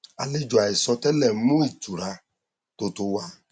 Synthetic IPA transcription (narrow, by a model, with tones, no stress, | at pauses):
a̰˨le˦d͡ʒo˨a˨ɪ˨sɔ˧tɛ˦lɛ˨˦mo˦i˨tu˨ɾa˧ | to˧to˧wa˧